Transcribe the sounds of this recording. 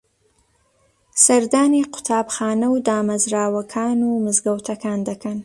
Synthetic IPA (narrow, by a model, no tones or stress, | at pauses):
sɐɾd̪aːniqʊ̥t̪ʰaːbxɑːnɐwd̪aːmɐzɾaːwɐkʰaːnumɨzɡɐwt̪ʰɐkaːnd̪ɐkʰɐn